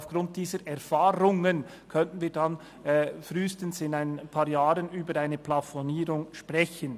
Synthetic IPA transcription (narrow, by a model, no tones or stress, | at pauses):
ʊfɡ̥ʁʊnt̚d̥iːzəɾʔɛʁfaːɾʊŋən | kʰœntən̩viːdanː | fʁyːstən̩sɪnaɪnpʰaːɾjaːɾənyːbəɾaɪnəpʰlafɔniːɾʊŋʃpʁɛçən